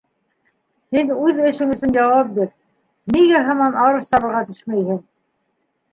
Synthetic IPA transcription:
hinʉðɘ̆ʃɘŋɵ̆sɵnjɑwɑp̚biɾ | niɡæɦɑmɑnʔɑɾɤʃt̪ɑβɤ̆ɾʁɑt̪ɵ̥ʃmæjhɘŋ

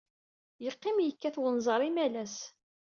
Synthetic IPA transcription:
jəqːɪmjəkːæθwənzˤɑɾˤimælæs

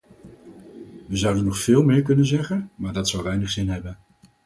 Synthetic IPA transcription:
ʋəzʌwdənːɔχfɪːlˠmɪːɹkɵnənzɛχənmaːɹdɑtsʌwʋɛjnəχz̥ɪnɦɛbən

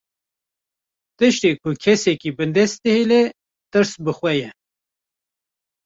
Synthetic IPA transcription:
t̪ɨʃt̪eːkʰʊkʰɛsɛkiːbɨnd̪ɛst̪ɨhelɛ | t̪ɨɾsbɨxwɛjɛ

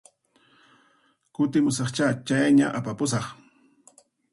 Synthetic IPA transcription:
kʊt̪ɪmʊsɑχt͡ʃat͡ʃajɲa̰ʔapapʊs̬ɑχ

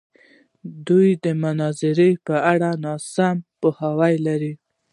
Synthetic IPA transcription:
d̪ujd̪əmʊnɑzɪɾepəaɽanɑsampohawajlaɾi

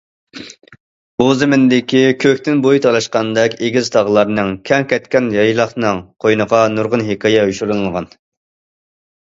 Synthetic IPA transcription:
buzɪmɪnd̪ɪkʲikʲʰøkʲt̪ɪnbojt̪ʰɑlˠɑʃqɑnd̪ɛkʲeɡʲizt̪ʰɑʁlˠɑɾnɨŋkʲʰɛŋkʲɛt̪kʲɛnjɑjlˠɑχnɨŋqʰojnəʁɑnuɾʁʊnɦekʰɑjɛɦyʃuɾunɨŋʁɑn

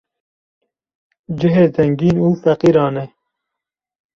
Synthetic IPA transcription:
d͡ʒɪɦeːzɛŋɡiːnuːfæqiːɾɑːne

